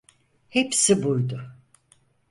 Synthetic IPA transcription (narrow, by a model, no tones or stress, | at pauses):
hepsibujd̪ʊ